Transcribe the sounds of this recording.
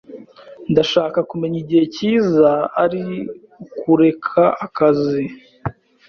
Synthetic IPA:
ndaʃaːkakume̞ɲiɟihe̞ciːzaaɾi | kuɾe̞kʰaʔakazi

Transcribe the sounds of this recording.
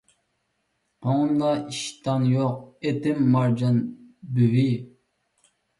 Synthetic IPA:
oŋmd̪ɑiʃt̪ʰɑnjoq̚et̪ɪmːɑɾd͡ʒɑnbywi

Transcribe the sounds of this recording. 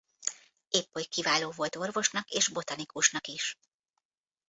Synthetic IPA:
eːpːojkivaːloːvo̞lt̪o̞rvo̞ʃnɒkeːʒbo̞t̪ɒnikuʃnɒkiʃ

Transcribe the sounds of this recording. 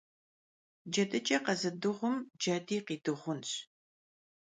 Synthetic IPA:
d͡ʒɐdɐt͡ʃʼɐqɐzɨdɨʁʷʊmd͡ʒɐːdiːqiːdɨʁʷʊnɕ

